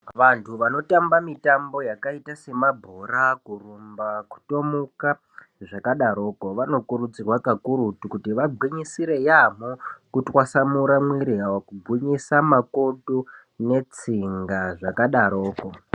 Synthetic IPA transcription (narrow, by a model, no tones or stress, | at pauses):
ʋantʰuʋano̞tambamitambo̞jakaitase̞mabʱoɾakurumbaku̥to̞muka | ʐakaɗaɾoːkoʋano̞kuɾud͡zirwakakuɾutukutiʋaɡʱwiɲisiɾe̞jamokutwasamuɾamwiɾiɦawakubʱuɲisamakodu | ne̞t͡siŋɡaʐakaɗaɾoːko